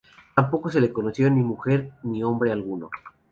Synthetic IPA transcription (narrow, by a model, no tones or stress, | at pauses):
t̪ampo̞ko̞se̞leko̞no̞sjo̞nimuxeɾnio̞mbɾe̞alɣuno̞̰